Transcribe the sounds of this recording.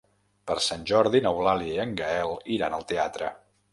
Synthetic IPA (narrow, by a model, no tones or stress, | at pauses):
pəɾsanʲʒɔɾðinəwlaliiəŋɡəɛlˠiɾanəlˠt̪eat̪ɾə